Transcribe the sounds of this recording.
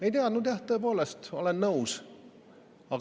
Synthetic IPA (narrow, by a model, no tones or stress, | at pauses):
ejt̪eɑd̪nud̪jæht̪ːoep̬o̞ːlest̪o̞̰lenːɤws | ɑɡ